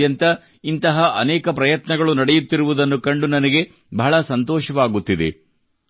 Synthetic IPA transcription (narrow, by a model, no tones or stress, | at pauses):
jɐnt̪ɐ | int̪ɐɦɐʔɐnɛːkɐpɾɐjɐt̪nɐɡɐɭunɐɽeɛjut̪ːiɾuʋud̪ɐnːukɐɳɖunɐnɐɡe̞ | bɐɦɭɐsɐnt̪ɔːʃɐʋaːɡut̪ːid̪ḛ